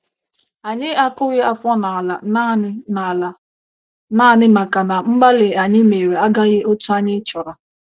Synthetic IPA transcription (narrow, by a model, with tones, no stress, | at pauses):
a˨ɲɪ˦a˦kʊ˦ɣɪ˦a˦fɔ˦na˨la˨˦˨ | na˦˨nɪ˦ma˨ka˨na˨m̩˦ɡ͡ba˦lɪ˨a˨ɲɪ˦me˨ɾe˨a˦ɡa˦ɣɪ˦ʔo˦tu˦a˦ɲɪ˦t͡ʃɔ˨ɾa˨